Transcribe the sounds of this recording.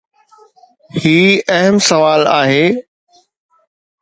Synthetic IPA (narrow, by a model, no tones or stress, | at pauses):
hiːɐɦəmsɐʋaːlaːɦeː